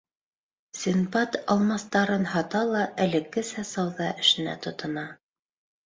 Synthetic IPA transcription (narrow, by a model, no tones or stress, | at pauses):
sʲinbɑt̪ɑlˠmɑst̪ɑɾɤnhɑt̪ɑlˠɑʔælɘ̆kːɘsæsɑwðɑʔɘ̆ʃɘ̆næ̰t̪ŏt̪ɤ̆nɑ